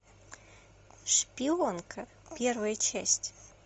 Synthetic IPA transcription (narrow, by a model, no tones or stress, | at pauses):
ʂpʲionkʰɐ | pʲervəjət͡ɕæ̰sʲtʲ